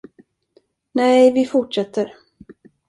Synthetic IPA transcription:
nɛjvɪfʊʈʂɛt̪ʰːəɾ

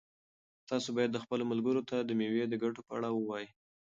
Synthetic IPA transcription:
t̪ɑsobɑjad̪ːəxpəlomalɡəɾot̪ad̪əmewed̪əɡaʈopəa̰ɽawəwɑji

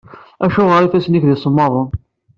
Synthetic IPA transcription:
æʃʊʁəɾifæsnikðisˤəmːɑðˤən

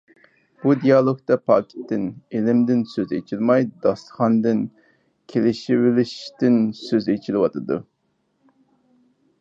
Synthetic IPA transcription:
b̥ud̪ijɑlˠokt̪ɑpʰɑ̰ːkʲʰi̥t̪ʰːɪnelɪmd̪ɪnsøzḛt͡ʃʰilmɑjd̪ɑsχɑnd̪ɨn | kʲʰelɪʃɪwɪlɪʃt̪ɪnsøzet͡ʃʰilɪwɑt̪ʰɨd̪ṵ

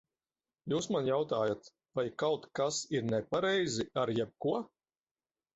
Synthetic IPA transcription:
juːsmanjawt̪aːjat̪ | vajkawt̪kasiɾnɛpaɾɛjziaɾjɛb̚kuɔ

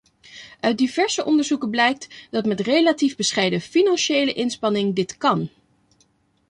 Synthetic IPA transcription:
ʔœɥd̚iv̥ɛɹsəʔɔndəɹzukəblɛjk̚tdɑtmɛtrejlativbəsχɛjdəfinɑnʃejləʔɪnspɑnɪŋdɪtkɑn

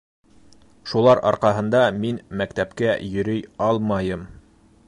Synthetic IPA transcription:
ʃulˠɑɾɑ̰ɾqɑɦɤ̆nd̪ɑminmækt̪æpkæjɵ̆ɾɵjɑlˠmɑjɤm

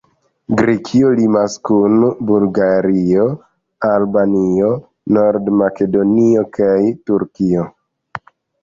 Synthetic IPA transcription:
ɡɾekʰiolimaskunbulɡaɾio̞ | albanio̞ | no̞ɾdmake̞do̞nio̞kajtuɾkio̞

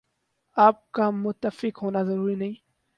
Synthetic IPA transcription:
aːp̚kamʊt̪ːəfɪkɦoːnazɐɾuːɾinɐɦĩː

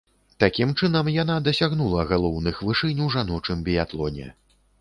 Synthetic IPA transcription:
t̪akʲimt͡ʂɨn̪ɐmjan̪ad̪ɐsʲaɣnulˠɐɣalˠɔwnɨxvɨʂɨnʲwʐanɔt͡ʂɨmbʲijat̪lˠɔnʲɛ̰

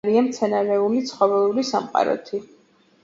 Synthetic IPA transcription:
ɾiamt̪sʰɛnaɾɛulit̪sʰχɔvɛlˠulisamqʼa̰ɾɔ̰t̪ʰi

